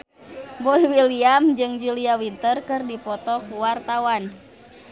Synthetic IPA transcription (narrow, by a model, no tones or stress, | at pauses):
bɔliwiliamd͡ʒɨŋd͡ʒuliawint̪ərkɨrdipɔt̪ɔkuwart̪awan